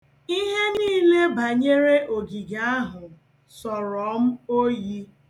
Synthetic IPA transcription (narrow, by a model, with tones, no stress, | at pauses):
i˦ɦe˦niː˦le˦ba˨ɲe˦ɾe˦ʔo˨ɡi˨ɡa˨˦a˦ɦʊ˨ | sɔ˨ɾɔ˨˦m̩˦o˦ji˦